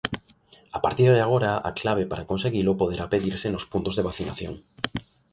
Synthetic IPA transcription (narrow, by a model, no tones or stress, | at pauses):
apaɾt̪iɾðeaɣ̞oɾaa̰klaβ̞epaɾakonseɣilopoð̞eɾapeðiɾsenospunt̪ozðeβ̞aθinaθjo̰ŋ